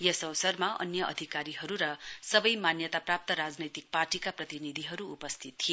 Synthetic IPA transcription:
jesʌwsʌrmaʔʌ̰njʌʔʌ̰d̪ʱikaɾiɦʌɾuɾʌsʌbʌjmanjʌt̪aprap̚t̪ʌɾad͡znʌjt̪ik̚parʈikaprʌt̪inid̪ʱiɦʌɾuːpʌst̪ʰit̪ːʰi

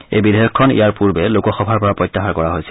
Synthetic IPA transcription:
ḛjbidʱejɔkʰːɔnḭjaɹpuɹbɛlokɔxɔbʱaɹpɔɹapɹɔjtːaxaɹkɔɹaɦojsɛ

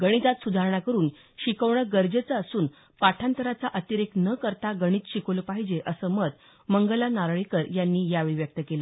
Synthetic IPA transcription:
ɡəɽ̃it̪at̪sud̪ʱaɾɳ̃akəɾuːn | ɕikəʋɳəɡəɾd͡ʑet͡səːsuːn | paʈʰãnt̪əɾat͡saʔət̪iɾeknəkəɾt̪aɡəɽ̃iːt̪ɕikoləpaɦid͡ʑeʔəsəːməd̪ | məŋɡəlanaɾɭikəɾjanːiːjaʋiʋjək̚t̪əkelə

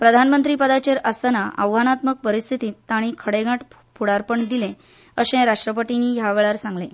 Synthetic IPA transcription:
pɾəd̪ʱanmənt̪ɾiːpəd̪at͡ɕeɾəsanaʔəʋʋanat̪mək̚pəɾist̪ʰit̪iːt̪ːaɽ̃ikʰəɽeɡʱaʈ | pʰuɽaɾpəɳd̪ilẽ | əɕẽɾaʂʈɾəpəʈiniːjaʋeɭaɾsãŋɡlẽ

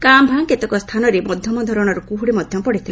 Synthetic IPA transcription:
kambʱaŋket̪ɔkɔst̪ʰanɔɾemɔd̪ʱjɔmɔd̪ʱɔɾɔɽ̃ɔɾukuɦuɽemɔd̪ʱjɔmɔpɔɽit̪ʰila

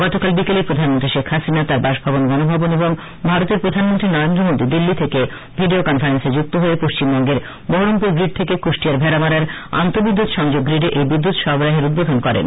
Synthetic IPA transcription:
ɡ̥ɔt̪okalbikelepɾod̪ʱanmont̪ɾiʃekʰhasinat̪aɾbaʃbʱabonɡɔnobʱaboneboŋ | bʱaɾot̪eɾpɾod̪ʱanmont̪ɾinɔɾend̪ɾomod̪id̪ilːit̪ʰeke | bʱiɖiokɔnfaɾensed͡ʑuk̚t̪oɦoepoʃt͡ɕimbɔŋɡeɾ | boɦoɾompuɾɡɾiɖ̚t̪ʰekekoʃʈiaɾbʱɛɾamaɾaɾa̰nt̪obid̪ːut̪ʃɔŋd͡ʑoɡːɾiɖeʔejbid̪ːut̪ʃɔɦbɾaɦeɾud̪̚bod̪ʱonkɔɾḛn

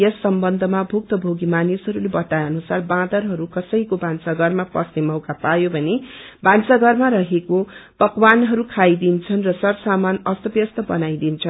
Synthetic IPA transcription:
ʌsːʌmbʌnd̪ʱʌmabʱuk̚t̪ʌbʱoɡimanisɦʌɾulebʌt̪ajʌnusarbãd̪ʌrɦʌɾukʌsʌjkobʱansaɡʌrmapʌsnemʌwkapajobʱʌne | bʱansaɡʌrmarʌɦekob̥ʌkwanɦʌɾukʰajd̪int͡sʰʌnrʌsʌrsamanʌst̪ʌbjʌst̪ʌbʌnajd̪int͡sʰʌn

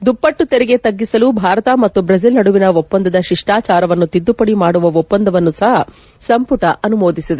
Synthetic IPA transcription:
d̪upːɐʈːut̪eɾɛɡe̞t̪ɐɡːisɐlubʱaːɾɐt̪ɐmɐt̪ːubɾɐs̬ilnɐɽuʋinɐʋɔpːɐnd̪ɐd̪ɐʃiʂʈaːt͡ʃaːɾɐʋɐnːut̪id̪ːupɐɽimaːɽuʋɐɔpːɐnd̪ɐʋɐnːusɐɦɐ | sɐmpuʈɐʔɐnumoːd̪isid̪e

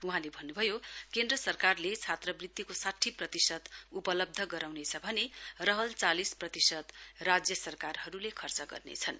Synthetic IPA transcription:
uɦãlebʱʌnːubʱʌjokend̪rʌsʌrkarlet͡sʰat̪rʌbrid̪ːikosaʈʰːiprʌt̪isʌt̪upʌlʌb̚d̪ʱʌɡʌɾawnet͡sʰʌbʱʌnerʌɦʌlt͡salisprʌt̪isʌt̪rad͡zjʌsʌrkarɦʌɾulekʰʌrt͡sʌɡʌ̰rnḛt͡sʰʌn

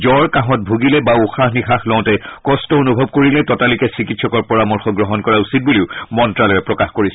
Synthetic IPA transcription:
zɔɹkãɦɔt̚bʱuɡilɛbauxaxnixaxlɔ̃ʊ̃tɛkɔstɔonubʱɔb̚koɹilɛtɔtalikɛsɹikitsɔkɔɹpɔɹamɔɹxɔɡɹɔɦɔnkɔɹausit̚buliʊmɔntɹalɔjɛpɹɔkaxkoɹisɛ

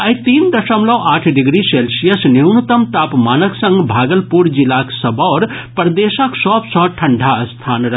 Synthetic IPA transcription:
əjt̪iːnd̪əsəmlɔwʔaːʈʰɖiɡɾiselsijəsniwnut̪əmt̪aːpmanəksə̃ŋɡbʱaːɡəlpuɾd͡ʒilaksəbɔɾ | pəɾd̪esəksɔːpsɔ̃ʈʰɐɳɖʱast̪ʰaːnɾɐ

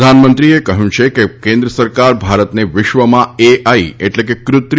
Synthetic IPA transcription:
d̪ʱanmənt̪ɾiekəɦjũt͡ʃʰekekẽnd̪ɾəsəɾkaɾbʱaɾət̪neʋɪʃʋəmãeʔaieʈlekekɾʊt̪ɾ

